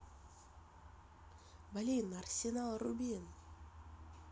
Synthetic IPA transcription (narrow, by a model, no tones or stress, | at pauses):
balʲejnarsʲenalˠrubʲin